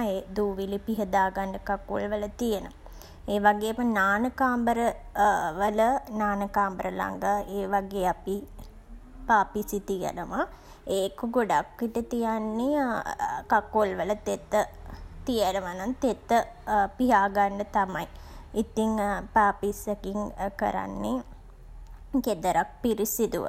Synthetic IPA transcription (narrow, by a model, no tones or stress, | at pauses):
eːd̪uːʋilipiɦəd̪aːɡaɳɖəkakːo̰lʋələt̪ijənə | eːʋaɡeːapənaːnəkaːmbəɾəʋələnaːnəkaːmbəɾəla̰ŋɡəeːʋaɡeːapi | paːpisit̪ijə̰nəʋa | eːkuɡoɖakːiʈət̪ijanːe | kakolʋələt̪et̪ːət̪ijənəʋanant̪et̪ːə | piɦaːɡaɳɖət̪amɐiit̪iŋpaːpisekiŋkə̰ɾa̰nːe | ked̪əɾak̚piɾisid̪uʋə̰